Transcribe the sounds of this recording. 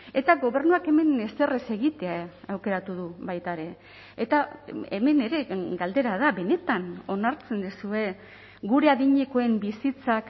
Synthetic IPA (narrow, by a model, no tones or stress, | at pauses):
e̞t̪aɣo̞βe̞rnuake̞me̞ne̞se̞rese̞ɣit̪e̞aawke̞ɾat̪uðuβajt̪aɾe̞ | et̪aeme̞ne̞ɾe̞ɡald̪e̞ɾaðaβe̞ne̞t̪ano̞naɾt͡se̞nd̪isue̞ | ɡuɾe̞aðiɲe̞ko̞e̞mbisit͡sak